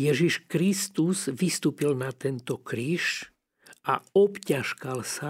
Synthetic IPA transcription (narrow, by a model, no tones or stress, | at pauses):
jɛʒiʃkɾist̪uzʋist̪uːpilnat̪ɛnt̪ɔkɾiːʃ | ʔaɔpcaʃkalsa